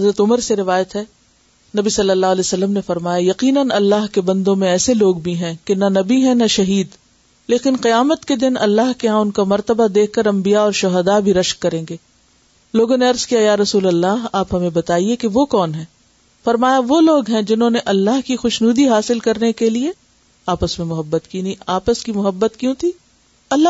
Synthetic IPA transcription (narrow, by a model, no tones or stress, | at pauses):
ɦɐzɾət̪ʊməɾseɾɪʋaːjət̪ɦɛ | nɐbisɐlːəlːaːɦlɛːsɐlːəmnefɐɾmaːjajɐqiːnənɐlːaːɦkebɐ̃nd̪õmẽɛːseloːɡbʱiɦɛ̃kenanɐbiɦɛ̃naʃɐɦiːd̪ | leːkɪnqijaːmət̪ked̪ɪnɐ̰lːaːɦkeɦãʊnkamɐɾt̪əbad̪eːkʰkɐɾɐ̃mbijaɔːɾʃʊɦəd̪abʱiɾɐʃkːɐɾẽːŋɡeː | loːɡõneɐɾzkijajaːɾɐsuːlɐlːaːɦaːpɦɐmẽbɐt̪aːiekeʋokɔːnɦɛ̃ː | fɐɾmaːjaʋoloːɡɦɛ̃d͡ʒɪnɦõːneʔɐlːaːɦkixʊʃnuːd̪iɦaːsɪlkɐɾnekelie | aːpəsmẽmʊɦəbːət̪kiniaːpəskimʊɦəbːət̪kjũt̪ʰiː | ɐlːa